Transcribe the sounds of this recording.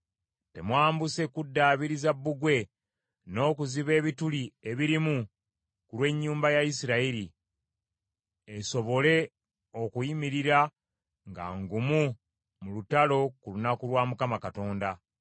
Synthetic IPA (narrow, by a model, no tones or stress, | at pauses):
te̞mwaːmbuse̞kudːaːβiɾizabːuɡwe̞ | no̞ːkuziβe̞ːβitulieβiɾimu | kulwe̞ɲːuːmbajais̬iɾaiɾi | eso̞βo̞le̞ | o̞kujimiɾiɾa | ŋɡa̰ŋɡumu | mulutalo̞kulunakulwaːmukamakato̞ːnda